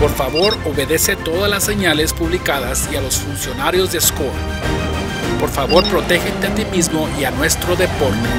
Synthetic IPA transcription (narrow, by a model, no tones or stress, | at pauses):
po̞ɾfaβo̞ɾo̞βe̞ðe̞se̞t̪o̞ðazlasːe̞ɲale̞spuβlikaðasialo̞sfunsjo̞naɾjo̞zðeskoa | po̞ɾfaβo̞ɾpɾo̞t̪e̞xent̪eat̪imizmo̞ianwe̞st̪ɾo̞ðe̞po̞ɾt̪e